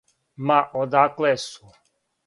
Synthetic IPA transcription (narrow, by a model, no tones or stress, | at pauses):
maʔod̪aklɛsu